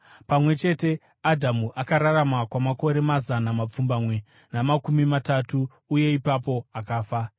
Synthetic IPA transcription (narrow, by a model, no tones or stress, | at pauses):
pamwe̞t͡ʃe̞te̞ | adʱamuʔakaɾaɾamakwamako̞ɾe̞mazanamap͡fumbamwe | namakumimatatuː | je̞ipapo̞akaːfa